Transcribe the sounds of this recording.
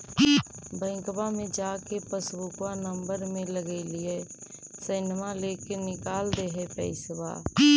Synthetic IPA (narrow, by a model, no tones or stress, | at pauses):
bə̃ɪ̃ŋkbamẽd͡ʒaːkepəsbʊkwanə̃mbəɾmẽləɡelɪesənmaleːkenɪkaːld̪eɦɛpɛɪswa̰ː